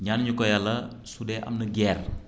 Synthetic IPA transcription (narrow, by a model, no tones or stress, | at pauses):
ɲanɲukɔjɐlɐ | sudɛːʔɐ̰mnɐɡɛːr